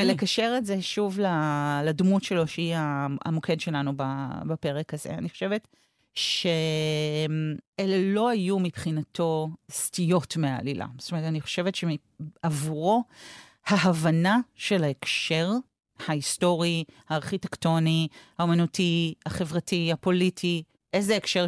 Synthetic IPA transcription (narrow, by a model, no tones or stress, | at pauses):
elekaʃe̞ʁetze̞ʃuvlaladmutʃe̞lo̞ʃeiaa̰mo̞kʰe̞dʃe̞lanubabape̞ʁekazḛa̰niχoʃevet | ʃemelelo̞ajumipχinatʰo̞stijo̞tmea̰lilʔa̰st̪omeetaniχo̞̥ʃevetʃemi | avuʁo̞ | haɦavanaʃe̞laekʃe̞ʁ | haisto̞ʁihaːʁχitekto̞nihaomanutihaχevʁatihapo̞litʰi | ʔezeekʃeʁ